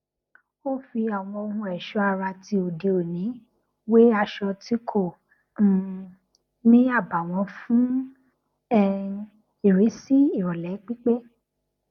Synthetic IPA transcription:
o˦fi˧a˨w̃ɔ̃˧o˧hũ˧ɛ˨ʃɔ˧˦a˧ɾa˧ti˧o˨de˨o˨nĩ˨˦ | we˦a˧ʃɔ˧ti˦kʰõ˦˨ | nĩ˦a˦˨ba˨w̃ɔ̃˧fũ˦ | ɛ˦˧ | i˨ɾe˨˦si˦i˦˨ɾɔ˨lɛ˨˦k͡pi˦k͡pe˦

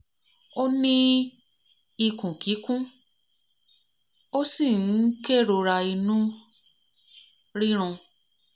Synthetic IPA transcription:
o˦nĩ˦ | i˧kũ˨ki˨˦kũ˦ | o˦si˦˨˦ke˦˨ɾo˧ɾa˧i˧nũ˦ | ɾi˦ɾ̃ɔ̃˧

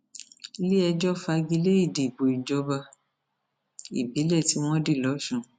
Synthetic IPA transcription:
li˦ɛ˧d͡ʒɔ˦fa˧ɡi˧le˦i˦˨di˨bo˨i˨d͡ʒɔ˧˦ba˧ | ḭ˨bi˨˦lɛ˦˨ti˨˦w̃ɔ̃˦di˦˨lɔ˨˦ʃũ˦˨

